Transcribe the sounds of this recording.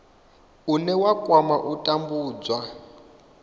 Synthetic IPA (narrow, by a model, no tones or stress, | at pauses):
unɛwakʼwamaʔutʼambuːd͡zwa